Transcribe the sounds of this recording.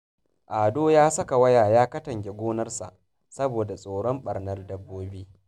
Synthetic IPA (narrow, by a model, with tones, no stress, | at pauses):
ʔaː˨doː˦jaː˦sɐ˦ka˨wɐ˦jaː˨jaː˦kɐ˦tɐ˨ŋkʲe˨ɡʷoː˦nɐ˦rsa̰˨ʔ | sɐ˦boː˨da˨sʼoː˨ɽɔ˦mɓɐ˨rnɐ˦rdɐ˦bːoː˦biː˦